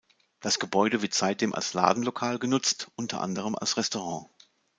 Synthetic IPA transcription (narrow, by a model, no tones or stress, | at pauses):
d̥asɡ̥əbɔʏɾəvɪɐtz̥aɪt̚d̥eːmʔa̰lsla̰ːdn̩lokʰaːlɡənʊt͡stʔʊntʰɐ̰ʔa̰ndəʁ̞əma̰lsʁɛstoʁɑ̃ː